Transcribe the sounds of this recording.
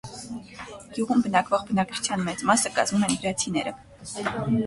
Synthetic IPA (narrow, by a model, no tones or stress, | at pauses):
ɡ̥juʁumbənɑkvɔʁbənɑkt͡ʃʰu̥t͡sʰjɑnmɛt͡smɑsəkɑ̰zmumɛnvɾɑt͡sʰinɛɾə̰